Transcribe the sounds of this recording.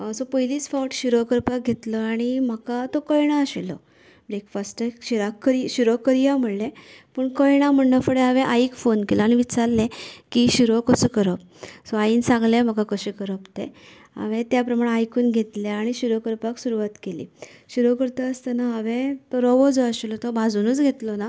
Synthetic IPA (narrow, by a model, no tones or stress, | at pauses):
sɔpəiliːt͡sfɔʈɕuɾəkəɾpak̚ɡʱet̪ləaɽ̃im̤əkat̪okəjɽ̃aəɕilɔ̰ | blekfasʈəkɕiɾakːəɾiɕuɾokːəɾijam̤əɽlepəɳkəjɽ̃am̤əɳɖəfəɽeɦaʋẽʔaikfonkelaɽ̃iʋit͡saɾlekiːɕuɾɔkəsəkəɾəp̚ | sɔainsãŋɡlem̤əkakəɕekəɾəpt̪e | ə̰ʋẽt̪japɾəmaɽeajkuːnɡʱet̪leaɽ̃iɕuɾokəɾpaksuɾuʋat̪kelḭːɕuɾokəɾt̪əːst̪ənaɦəʋẽt̪ɔɾɔʋɔd͡zɔəɕilɔt̪ɔbʱad͡zunət͡sɡʱet̪lɔna